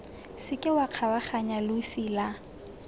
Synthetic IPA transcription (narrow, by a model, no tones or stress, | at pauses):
sɪkʼɪwaq͡χʰawaχaɲalʊsila